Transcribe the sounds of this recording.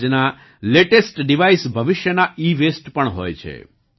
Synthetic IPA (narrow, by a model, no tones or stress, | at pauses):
d͡ʒna | leʈesʈɖiʋaisbʱəʋɪʃjənaiʋesʈpəɳɦo̰jt͡ʃʰḛ